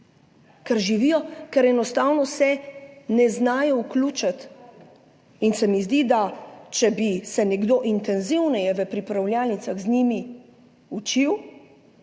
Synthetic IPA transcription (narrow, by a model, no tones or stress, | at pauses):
kɛɾʒiʋiːjɔkɛɾɛnɔst̪aːwnɔsɛnɛznaːjɔukluːt͡ʃat̪ | insɛmizd̪id̪at͡ʃɛbisɛnɛɡd̪oːʔint̪ɛnziwnɛjɛʋəpɾipɾawljaːlnit̪saɣznimi | ut͡ʃiw